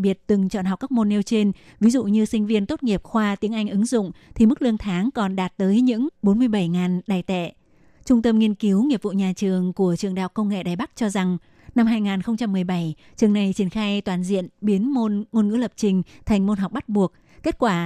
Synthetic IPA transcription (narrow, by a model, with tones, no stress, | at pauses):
ɓi˨˩ət̚t̪ɨ˨˩ŋt͡ɕɔ̰˧˨nha˨˩wk͡pkːa˦˥k̚mo˧nːe˧wt͡ɕe˧n | vi˨˦zṵ˧˨ɲɨ˧sï˧ŋ̟vi˧ənt̪o˦˥t̚ŋi˨˩əp̚xwaː˧t̪i˨˦əŋʔa˧jŋ̟ʔɨ˨˦ŋzʊ̰˧˨ŋ͡mt̪ʰi˨˩mɨ˦˥k̚lɨ˧əŋt̪ʰaː˨˦ŋkɔ˨˩nɗaː˨˩t̚t̪əː˨˦jɲɨ̰˧˥ŋɓo˨˦nmɨ˧əjɓə˧˩jŋaː˨˩nɗaː˨˩jt̪ɛ̰˧˨ | t͡ɕʊ˧ŋ͡mt̪ə˧mŋi˧ənki˨˦wŋi˨˩əp̚vṵ˧˨ɲaː˨˩t͡ɕɨ˨˩əŋku˧˩ət͡ɕɨ˨˩əŋɗa̰ː˨w̚kːə˧wŋ͡mŋḛ˧˨ɗaː˨˩jɓa˦˥k̚t͡ɕɔ˧za˨˩ŋ | na˧mɦaː˧jŋaː˨˩nxə˧wŋ͡mt͡ɕa˧mːɨ˨˩əjɓa˧˩j | t͡ɕɨ˨˩əŋna˨˩jt͡ɕi˧˩ənxaː˧jt̪waː˨˩nzḭ˧˨ənɓi˨˦əno˧nŋo˧nŋɨ̰˧˥lə˨˩p̚t͡ɕï˨˩ŋ̟t̪ʰa˨˩jŋ̟mo˧nɦa˨˩wk͡p̚ɓa˦˥t̚ɓu˨˩ək̚ | kːe˦˥t̚kwaː˧˩